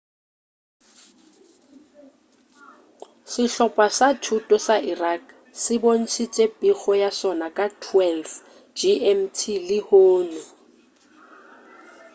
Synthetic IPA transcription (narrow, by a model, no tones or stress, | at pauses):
sɪɬɔpʼasatʰutʼɔsaʔirak̚ʰ | sɪbon̩sʰit͡ʃʼepʼik͡xɔjasɔnakʼatʰwɛlf | d͡ʒiʔɛmtʰilɪhoːnʊ